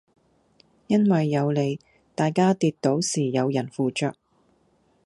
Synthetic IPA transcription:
jɐ˥nwɐ˨jːɐ˨˧wle˨˧j | t̪aː˨jkaː˥t̪iː˧t̪t̪o˨˥wsiː˨˩jɐ˨˧wjɐ˨˩nfuː˨˧t͡ʃœː˧k̚

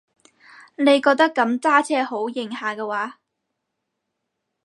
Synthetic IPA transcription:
ne˨˧jkɔː˧k̚t̪ɐ˥kːɐ˨˥mt͡saː˥t͡sʰɛː˥ho˨˥wjɪ˨ŋhaː˨kɛː˧waː˨˥

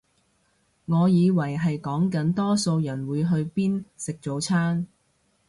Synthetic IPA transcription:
ŋɔː˨˧jiː˨˧wɐ˨˩jɦɐ˨jkɔː˨˥ŋkɐ˨˥nt̪ɔː˥so˧wjɐ˨˩nwuː˨˧jɦɵ˧ɥpiː˥nsɪ˨k̚t͡so˨˧wt͡sʰaː˥n

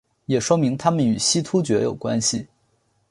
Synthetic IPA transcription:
jɛ˨˩ʂwɔ˥mi˧˥ŋt̪ʰa˥mə˨ny˨˩ɕi˥t̪ʰu˥t͡ɕɥɛ˧˥jo˨˩ʊkwa̰˥nɕi˨

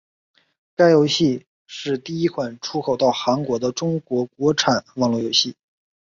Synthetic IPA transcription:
ka˥ɪjo˧˥ʊɕi˥˧ | ʂɻ̩˥˧t̪i˥˩i˥kʰwa˨˩nʈ͡ʂʰu˥kʰo˨˩ʊt̪ɑ˥˩ʊxa˧˥nkwɔ˧˥d̪ə˧ʈ͡ʂʊ˥ŋkwɔ˧˥kwɔ˧˥ʈ͡ʂʰa˨˩˦nwɑ˥˩˧ŋlwɔ˥˩jo˧˥ʊɕi˥˩

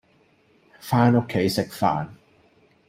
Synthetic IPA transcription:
faː˥no˥kʰːe˨˥jsɪ˨k̚fa̰ː˧n

